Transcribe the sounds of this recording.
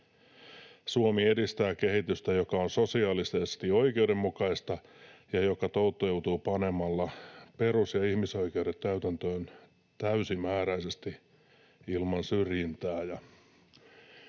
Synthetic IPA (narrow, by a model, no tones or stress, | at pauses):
suomiedist̪æːke̞ɦit̪yst̪æjokɑonso̞siɑːlisest̪io̞ikeude̞mːukɑist̪ɑ | jɑjo̞kɑt̪out̪ːojout̪uːpɑne̞mɑlːɑpe̞ɾusjɑihmiso̞ike̞udet̪kæyt̪ænt̪øːn | t̪æysimæːɾæisest̪i | ilmɑnsyrjint̪æːjɑ